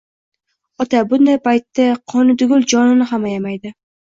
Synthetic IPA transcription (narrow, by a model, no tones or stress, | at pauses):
ɒt̪ʰabʊnd̪ajpʰajt̪ːaqʰɒnɪd̪ʊɡʲʊlˠd͡ʒɒnɪnɪɦamajamajd̪ɪ